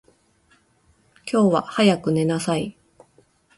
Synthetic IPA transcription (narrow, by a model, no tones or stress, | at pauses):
kʲo̞ːβa̰hajakɯ̟ne̞nasai